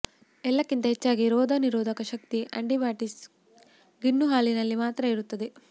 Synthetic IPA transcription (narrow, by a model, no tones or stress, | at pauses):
ɛlːɐkːint̪ɐɦet͡ʃːaːɡiɾɔːd̪ʱɐniɾɔːd̪ʱɐkɐʃɐk̚t̪iʔɐ̰ɳɖibaːʈis | ɡinːuɦaːlinɐlːimaːt̪ɾɐiɾut̪ːɐd̪e